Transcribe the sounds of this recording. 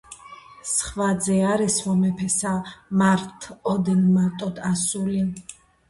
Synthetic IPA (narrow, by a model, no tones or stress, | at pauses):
sχvad̪zɛaɾɛswɔmɛpʰɛsamaɾt̪ʰɔd̪ɛnmaɾt̪ʼɔd̪asulin